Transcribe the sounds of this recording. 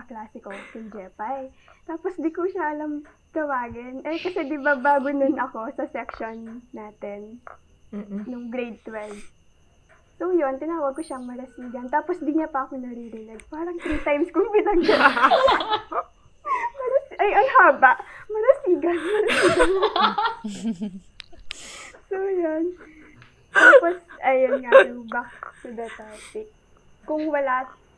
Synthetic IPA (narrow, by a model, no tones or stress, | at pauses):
ɐklaːsɪkokɪnd͡ʒɛːpɐt̪aːposd̪ɪkoʃaʔɐlɐmt̪ɐwaːɡɪnʔɐkɐsɛd̪ɪbaːbaːɡononɐko̞sɐsɛkʃonːaːt̪ɛn | oŋɡɾejd̪̚t̪wɛld̪ | sojo̞nt̪ɪnaːwɐɡ̚koʃaɐŋmɐɾɐsiːɡɐnt̪aːposd̪ɪɲapɐʔɐkonɐɾiɾɪnɛɡ̚paːɾɐŋt̪ɾiːt̪ajmskʊŋbɪnɐɡ̚da | mɐɾɐsʔɐjʔɐŋhaːbɐʔmɐɾɐsiːɡɐnmɐɾɐsiːɡɐno | sojan | t̪aːposɐjɐnnŋajʊŋbɐksɐd̪ɐt̪aːt̪ɪ | kʊŋwɐla